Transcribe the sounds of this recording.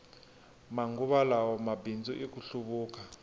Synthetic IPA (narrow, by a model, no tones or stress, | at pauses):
maŋɡuβalawɔmabind͡zuʔikuɬuβuːka